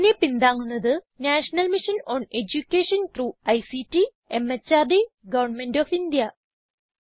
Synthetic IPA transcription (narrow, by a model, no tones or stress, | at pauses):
nepind̪aːŋːunːɐðɨ | naːʂɐnɐlmiʂɐnoːned͡ʑukʲːeːʂɐnt̪ruːɐjsitːi | emːɐt͡ɕːaːrd̪i | ɡɐʋɐɳme̞ndoːfind̪ijɐ